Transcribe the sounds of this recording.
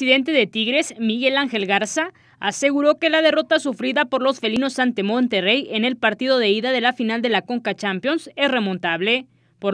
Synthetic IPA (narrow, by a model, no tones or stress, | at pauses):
iðe̞nt̪e̞ðe̞t̪iɣɾe̞smiɣe̞laŋxe̞lɣaɾsaː | se̞ɣuɾo̞ke̞lað̞e̞ro̞t̪asufɾiðapo̞ɾlo̞sfe̞lino̞sːant̪e̞mont̪e̞re̞je̞ne̞lpaɾt̪iðo̞ðeiðaðe̞lafinald̪e̞lako̞ŋkat͡ʃampjo̞nse̞sre̞mõ̞nt̪aβle̞ | po